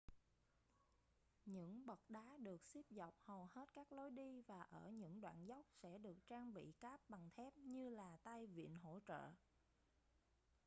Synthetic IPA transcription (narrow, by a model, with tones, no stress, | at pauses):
ɲɨ̰˧˥ŋɓə˨˩t̚ɗaː˨˦ɗɨ˨˩ək̚si˦˥p̚za˨˩wk͡p̚hə˨˩whe˦˥t̚kaː˦˥k̚lo˨˦jɗi˧vaː˨˩ʔəː˧˩ɲɨ̰˧˥ŋɗwa̰ː˧˨nza˦˥wk͡p̚sɛ̰˧˥ɗɨ˨˩ək̚t͡ɕaː˧ŋɓḭ˧˨kaː˦˥p̚ɓa˨˩ŋt̪ʰɛ˦˥p̚ɲɨ˧laː˨˩t̪a˧jvḭ˧˨ənɦo̰˧˥t͡ɕə̰ː˧˨